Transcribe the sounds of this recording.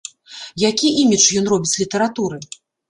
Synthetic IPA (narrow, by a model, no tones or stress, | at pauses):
jakʲiʔimʲit͡ʂjɔn̪rɔbʲit͡sʲlʲit̪ɐɾat̪uɾɨ